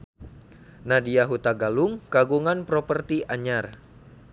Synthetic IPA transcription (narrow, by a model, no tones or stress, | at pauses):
nadiaɦut̪aɡaluŋkaɡuŋanpɾɔpərt̪iʔaɲar